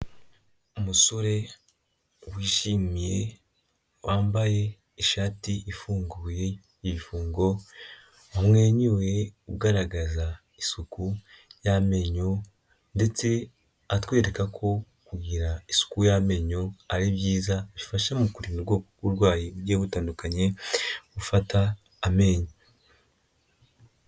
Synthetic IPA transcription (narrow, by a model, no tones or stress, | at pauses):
umuso̞ɾe̞ | wiːʃimije̞ | wʔaːmbaje̞ | iʃaːtiʔifuːŋɡuje | iβifuːŋɡo̞ | amŋeːɲuweuɡaɾaɡaza | isuku | jame̞ɲo̞ | nde̞t͡se̞ | atwe̞ːɾe̞kakʰo̞ | kuɡiɾaisu̥kujame̞ɲo̞aɾibjiːzaβifaʃemukuɾinuɾɡoːkokuɾɡwaːjiuɾɟeːβutaːndukaɲe̞βufataː | me̞ːɲo